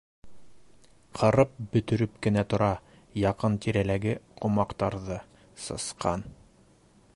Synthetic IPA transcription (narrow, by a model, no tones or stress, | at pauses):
qʰɤ̆ɾɤp̚bɵ̆t̪ɵ̆ɾɵp̚kɘ̆næt̪ŏɾɑ | jɑqɤnt̪iɾælæɡɘqʰŏmɑqt̪ɑɾðɤ | sɤ̰̆sqɑn